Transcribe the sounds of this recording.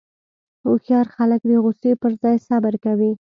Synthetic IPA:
oxjɑɾxaləkd̪əɣʊsepəɾzɑjsabəɾkawi

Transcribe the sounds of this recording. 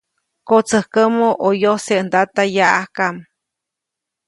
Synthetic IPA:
kot͡səhkəmoʔojoseʔnd̪at̪ajaʔahkam

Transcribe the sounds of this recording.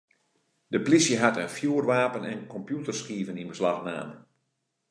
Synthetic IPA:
dəplisjəɦatənfjuːərʋaːpənɛ̰nkɔmpjutərskiːvəninbəslaxna̰ːmə

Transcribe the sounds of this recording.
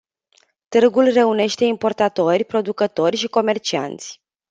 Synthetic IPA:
t̪ɨrɡulre̞une̞ʃt̪e̞impo̞rt̪at̪o̞rʲpɾo̞d̪ukət̪o̞rʲʃiko̞me̞rt͡ʃia̰nt̪sʲ

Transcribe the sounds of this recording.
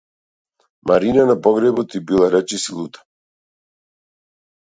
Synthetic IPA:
maɾinanapɔɡɾɛbɔt̪ibilˠaɾɛt͡ʃisilˠut̪ḁ

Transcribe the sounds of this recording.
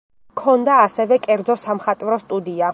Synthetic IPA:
kʰɔnd̪aːsɛvɛkʼɛɾd̪zɔsamχat̪ʼvɾɔst̪ʼud̪ia

